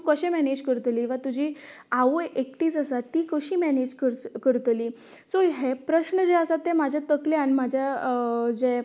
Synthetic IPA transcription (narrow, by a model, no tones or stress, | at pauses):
kəɕẽmɛned͡ʑkəɾt̪liːʋat̪ud͡ʑʱiː | aʋoʔekʈiːt͡səsat̪ːiːkəɕiːmɛned͡ʑkəɾkəɾt̪liː | soɦepɾəɕɳəd͡ʑeəsat̪ːẽmad͡ʑʱat̪əkleañimad͡ʑʱjad͡ʑe